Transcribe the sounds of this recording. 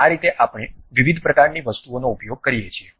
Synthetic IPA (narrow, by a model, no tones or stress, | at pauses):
aɾit̪eʔapɽ̃eʋiʋid̪ʱpɾəkaɾniʋəst̪uonoupjoɡ̚kəɾijet͡ʃʰie